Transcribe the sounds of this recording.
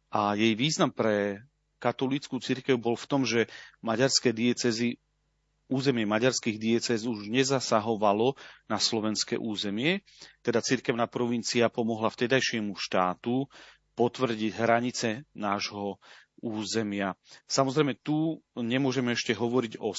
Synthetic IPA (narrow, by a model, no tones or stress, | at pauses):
ʔajɛjʋiːznampɾɛ | kat̪ɔlit͡skut͡siɾkɛʊbɔlft̪ɔmʒɛmaɟaɾskɛd̪iɛt͡sɛzi | uːzɛmɪɛmaɟaɾskiːɣd̪iɛt͡sɛzuʒɲɛzasaɦɔʋalɔnaslɔʋɛnskɛ̰ʔuːzɛmɪɛ | t̪ɛd̪at͡siɾkɛʊnaːpɾɔʋint͡siapɔmɔɦlaft̪ɛd̪ajʃɪɛmuʃt̪aːt̪u | pɔt̪ʋr̩ɟiɟɦɾaɲit͡sɛnaːʒɦɔuːzɛmɪasamɔzɾɛjmɛt̪uɲɛmʊɔʒɛmɛɛʃcɛɦɔʋɔɾiɟɔ